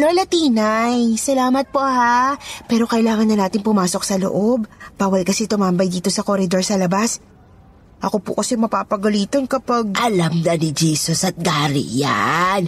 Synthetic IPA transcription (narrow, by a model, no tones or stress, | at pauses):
lolɐt̪iːnajsɐlaːmɐt̪̚po̞hapɛːɾo̞kɐʔɪlaːŋɐnːɐnaːt̪ɪnpʊmaːso̞k̚sɐlo̰ʔo̞bbaːwɐlkɐsɛt̪ʊmambɐjd̪iːt̪o̞sɐkoɾɪd̪o̞ɹsɐlɐbas | ʔɐko̞pʊ̰kɐsɛmɐpaːpɐɡʊliːt̪onkɐpaɡ̚ʔɐlamnɐnɪd͡ʒiːsosɐt̪̚ɡaːɾḭja̰n